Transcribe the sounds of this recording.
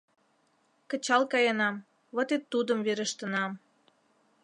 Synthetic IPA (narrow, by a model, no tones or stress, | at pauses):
kə̆t͡ɕɑlkɑjənɑm | βot̪et̪ːud̪əmβeɾəʃt̪ənɑm